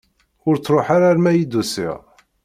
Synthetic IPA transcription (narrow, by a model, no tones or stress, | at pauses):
ʊɾt͡sːɾˤoħaɾaɾmæjid̪usḭʁ